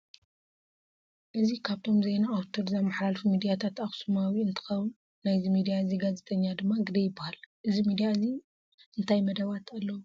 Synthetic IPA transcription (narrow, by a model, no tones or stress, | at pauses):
ʔɨzikʰaβt̪ʰo̞mzenaːwt̪ʰoɾzamːaħlalfimid̪ijat̪ʰat̪axsumawiɨnt̪ʰɨ̥xɐwɨ | najzimid̪ijaɨziɡazet̪ʰɐɲːad̪ɨmːaɡɨd̪ɐjɪbːahalʔɨzimid̪ijaɨzi | ɨnt̪ʰajmɐd̪ɐβat̪ʰalːɐwu